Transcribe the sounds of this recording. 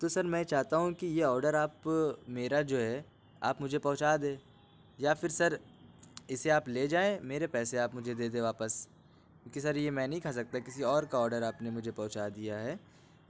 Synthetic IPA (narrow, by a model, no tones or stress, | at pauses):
t̪osɐɾmɛ̃ːt͡ʃaːɦt̪aɦũkijeɔːɾɖəɾaːpmeːɾad͡ʒoːɦɛ | a̰ːpmʊd͡ʒʱepɐ̃ɦʊt͡ʃaːd̪ẽː | jafɪɾsɐɾ | ɪseaːpleːd͡ʒaːẽmeːɾepɛːseaːpmʊd͡ʒʱed̪eːd̪ẽʋaːpəs | kjõːkisɐɾjemɛ̃ːnɐɦĩkʰaːs̬ɐk̚t̪akɪsiɔːɾkaɔːɾɖəɾaːpnemʊd͡ʒʱepɔ̃ɦt͡ʃad̪ijaɦɛː